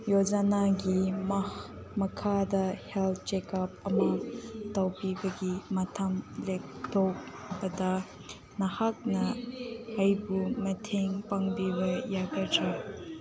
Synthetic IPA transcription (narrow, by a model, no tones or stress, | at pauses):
jod͡ʒanaɡim | mɐkʰadɐhɛlt̪̚ʰt͡ʃekɐp̚ɐmɐtawpibɐɡimɐt̪ʰɐmlek̚t̪ɔk̚ | bɐdɐ | nɐhak̚nɐhːjbumɐtʰeŋpaŋbibɐjaɡɐtap̚